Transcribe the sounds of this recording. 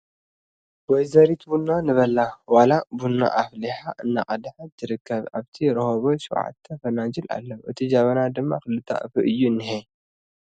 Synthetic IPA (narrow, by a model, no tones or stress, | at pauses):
wɔjzɐɾit̪bunːanɨβɐlːawalabunːa̰ʔafliħaʔɨnːa̰ʔʼɐd̪ħat̪ʰːɨɾɨkʰːɐβa̰βt̪ʰiɾohoβoʃɐ̰wʕa̰t̪ʰːɐfɐnad͡ʒilʔa̰lːɐwʔɨt̪ʰid͡ʒaβɐnad̪ɨmːa̰xɨlːɨt̪ʰːa̰ʔɨfɨʔɨjːunːɨhe